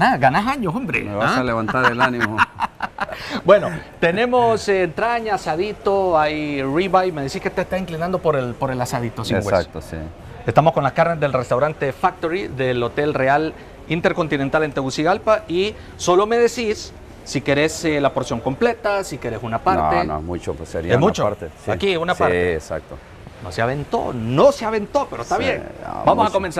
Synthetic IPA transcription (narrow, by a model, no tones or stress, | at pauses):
aɡanaɦaɲoombɾḛmeβasaleβant̪aɾelanimo | bwe̞no̞t̪e̞ne̞mosːnt̪ɾaɲaasaðit̪oajriβajmeðesihket̪est̪asiŋklinand̪opoɾelpoɾe̞lasaðit̪osiewḛk̚t̪osḭ | est̪amosko̞nlaskaɾnezðe̞lrest̪awɾant̪e̞fak̚t̪oɾiðe̞lo̞t̪e̞lreal | int̪eɾko̞nt̪inent̪alent̪eɣusiɣalpaiː | o̞lo̞me̞ðesisː | ike̞ɾe̞selapo̞ɾsjo̞ŋko̞mple̞t̪asike̞ɾe̞sunapaɾnɾoteno̰mut͡ʃo̰pseɾid̪emut͡ʃoaɾt̪esakiunapaɾɾeesa̰k̚t̪o̰ | noseaβent̪o̰noseaβe̞nt̪o̞pe̞ɾost̪aβjen̰bamosako̞mensa